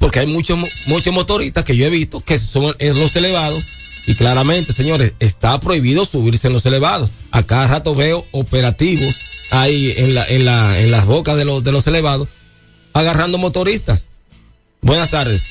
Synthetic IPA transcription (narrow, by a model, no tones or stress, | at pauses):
po̞ɾke̞ajmũt͡ʃomũt͡ʃosmo̞t̪o̞ɾist̪aske̞ʝo̞e̞βist̪o̞ke̞soŋelo̞se̞le̞βaðo̞s | iklaɾamẽ̞nt̪e̞se̞ɲo̞ɾe̞se̞st̪apɾo̞iβiðo̞suβiɾseenlo̞se̞le̞βaðo̞s | a̰kaðrat̪oβe̞oope̞ɾat̪iβo̞sajenlaʔenlaḛnlasβo̞kasðelosðe̞lo̞se̞leβaðo̞s | aɣarand̪o̞mo̞t̪o̞ɾist̪as | bwe̞nast̪aɾðes